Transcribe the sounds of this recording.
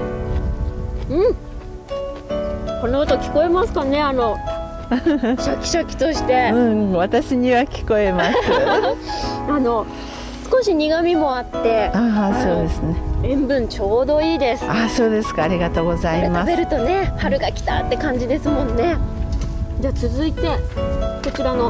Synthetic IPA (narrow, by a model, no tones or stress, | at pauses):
ɯ̟̃ɴ | ko̞noat̪o̞kʲi̥ko̞e̞masɨ̥kane̞ano̞ | ɕokʲi̥ɕokʲi̥t̪o̞ɕi̥t̪e̞ɯ̟̃ɴβat̪aɕiɲ̟iβakʲi̥ko̞e̞massɨ | ano̞ | sɨ̥ko̞ɕiɲ̟iɡamʲimo̞at̪ːe̞aso̞ːd̪esɨneẽ̞mbɯ̟̃ɲ̟t͡ɕo̞ːd̪o̞iːd̪e̞sɨ̥aso̞ːd̪e̞sɨ̥kaːɾʲiɡat̪o̞ːɡo̞zaimasbe̞ɾɯ̟t̪o̞ne̞haɾɯ̟ɡakʲi̥t̪a̰t̪ːe̞kãɲ̟d͡ʑid̪e̞sɨmõ̞nːe̞ | d͡ʑet͡sɨzɨit̪e̞so̞t͡ɕiɾano̞